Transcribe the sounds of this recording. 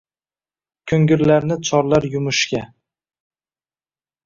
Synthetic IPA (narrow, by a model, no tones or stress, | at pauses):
kʲʰɵŋɡʲɪɾlaɾnɪt͡ʃʰɒɾlaɾjʊmʊʃkʲa